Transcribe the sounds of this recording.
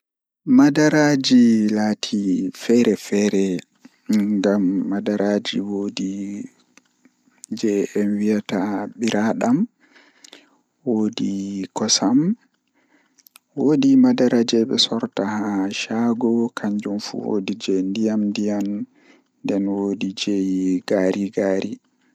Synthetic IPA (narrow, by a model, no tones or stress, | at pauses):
madaɾad͡ʒilaːtʰifɛɾɛfɛɾɛ | ŋɡamːadaɾad͡ʒiwodi | d͡ʒɛɛnwijataɓiɾaɗam | woːdikɔsam | woːdimadaɾad͡ʒɛɓɛ̰sɔɾtahaʃaɡɔkʰaɲd͡ʒumfṵwo̰did͡ʒɛndijamndijam | ndɛnwodid͡ʒejɡaɾʔiɡaːɾi